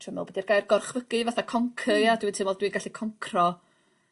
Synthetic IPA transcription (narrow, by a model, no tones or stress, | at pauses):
tʰəmɛ̰lˠbədirɡajrɡɔrχvəɡ̥ɨvaθakʰɔŋkʰəadwintʰɨmvɔlˠdwinɡaɬikʰɔŋkʰrɔ